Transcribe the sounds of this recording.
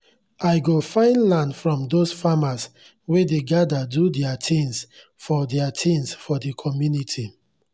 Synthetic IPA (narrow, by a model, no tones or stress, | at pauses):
aɪɡofãɪ̃nlãndfɹɔ̃mdosfamas | wedeɡadadudɛatʰĩns | fɔdɛatʰĩnsfɔdikʰɔmjunitʰi